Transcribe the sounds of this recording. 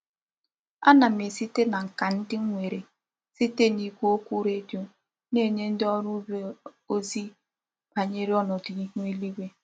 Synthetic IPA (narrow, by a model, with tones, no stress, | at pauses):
a˦na˨m˨e˨si˦te˦na˨ŋ̩˨ka˨n̩˦dɪ˦ŋ˦ŋʷe˨ɾe˨ | si˦te˦ni˦kʷu˦o˦kʷu˦ɾe˦do˦ | ne˦˨ɲe˦n̩˦dɪ˦ɔ˦ɾʊ˦b | o˦zi˦ | pa˨ɲe˦ɾi˦ɔ˦nɔ˨di˨i˦ɦu˦e˦li˦ɡʷe˦